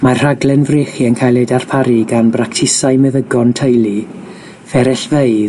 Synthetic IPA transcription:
marr̥aɡlˠɛnvrɪːχiənkʰajlˠedar̥pʰaɾiɡanbraktʰɪsajmɛvəɡɔntʰəjlˠi | vɛɾɛɬveɨð

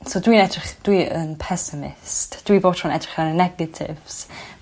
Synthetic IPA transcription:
sodwiːnɛdrɪχd̥wiʔənpʰɛsɪmɪ̰std̥wiboːtʰɔnɛdrɪ̥χaɾənɛɡətʰɪ̰v̥s

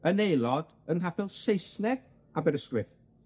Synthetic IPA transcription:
ənejlˠɔd̥ | ənɦapʰɛlˠsejslɛɡ | abɛɾəstwɪθ

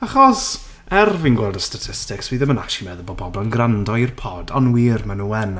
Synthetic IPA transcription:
aχɔs | ɛrvinɡwɛlˠdəstatʰɪstɪkswiðəməna̰ʃimɛðəbɔbɔblˠanɡrandɔirpʰɔdɔnwiːrmanuɛn

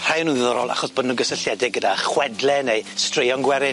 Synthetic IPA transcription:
r̥ajnuːnðɪðɔɾɔ̰lˠʔa̰χɔsb̥ɔdnuɡəsəɬjɛdɪɡ̚ədaχwɛdlɛnejstrejɔnɡwɛɾɪ

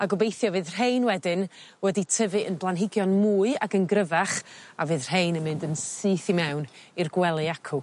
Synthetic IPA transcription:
aɡɔbejθjɔvɨːðr̥ɦejnwɛdɪn | wɛditʰəvɨʔənblˠanɦɪɡjɔnmuːɨakənɡrəvaχavɨːðr̥ɦejnənmɪndənsɨːθimɛwnirɡwɛlˠɨakʰu

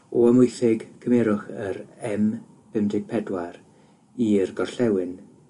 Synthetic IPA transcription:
ɔəmʊjθɪɡkʰəmɛɾʊχəɾɛm | b̥ɪmdɪɡ̥̚pʰɛdwaɾ | irɡɔrɬɛwɪn

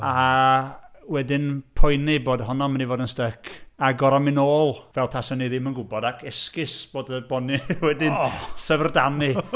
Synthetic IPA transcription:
a | wɛdɪnpʰɔjniboːdɦɔnɔmənivoːdənstəkʰaɡɔɾɔmɪnoːlˠvɛlˠpʰasɔniðɪmənɡʊbɔdakʰɛskɪsb̥oːdəbɔniwɛdɪnsəvrdani

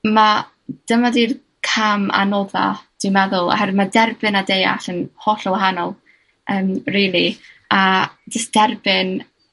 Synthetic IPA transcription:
ma | d̥əmadiːr | kʰama̰noða̰d̥ɪmɛðʊlˠa̰hɛrmadɛrbɪnadeja̰ɬənhɔɬɔwaɦanɔlˠ | əːmriːlˠiad͡ʒəsd̥ɛrbɪn

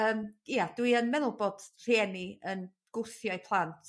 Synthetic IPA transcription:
əːmiad̥wiənmɛðʊlˠbod̥r̥eniən | ɡ̥ʊθjɔjpʰlˠantʰ

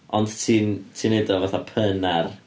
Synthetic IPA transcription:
ɔnd̥tʰiːntʰiːnedɔvaθapʰənar

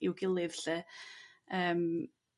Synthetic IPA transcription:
ɪwɡɪlˠɪv̥ɬɛ | əːm

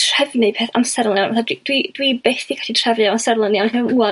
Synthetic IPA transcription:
r̥ɛvnɨpʰeːθamsɛɾlˠənjanvaθadwid̥wid̥wibeːθikʰḁtʰitʰr̥ɛvɨaamsɛrlˠənjanhiməmuːa

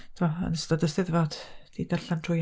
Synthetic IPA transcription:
tʰɪmɔə̰nəstɔdəstɪðvɔd̥d̥idɛɬantʰrʊj

